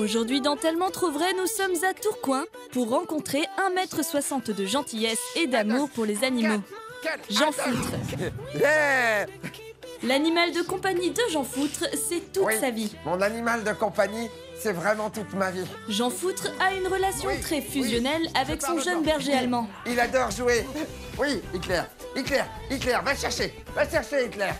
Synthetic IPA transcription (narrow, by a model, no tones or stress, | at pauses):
oʒuʁd̪ɥid̪ɑ̃t̪ɛlmɑ̃t̪χovʁɛnusɔmzat̪uʁkwɛ̃ | puʁːɑ̃kɔ̃t̪χeɛ̃mɛt̪χəswasɑ̃t̪d̪əʒɑ̃t̪ijɛsed̪amuʁpuʁlezanimo | ʒɑ̃fut̪χ | ɛ | lanimald̪əkɔ̃paɲid̪əʒɑ̃fut̪χsɛt̪ut̪savimɔ̃nanimald̪əkɔ̃paɲi | sɛvʁɛmɑ̃t̪ut̪mavi | ʒɑ̃fut̪χaynʁəlasjɔ̃tt̪χɛfyzjɔnɛlavɛksɔ̃ʒənbɛʁʒealmɑ̃ | ilad̪ɔʁʒue | wiik̪lɛːʁ | it̪lɛʁ | it̪lɛʁvaʃɛʁʃe | vaʃɛʁʃeit̪lɛʁ